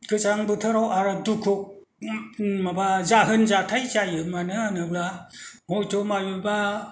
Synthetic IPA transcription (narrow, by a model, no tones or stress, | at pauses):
kʰɯt͡ʃaŋbɯtʰɯɾawaɾadukʰuk̚ | mabazaɦɯnzatʰajzajɯmanɯanɯblahɔjtʰomajuba